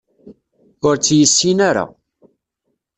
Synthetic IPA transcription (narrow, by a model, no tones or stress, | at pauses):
ʊɾt͡sːjəsːinaɾa̰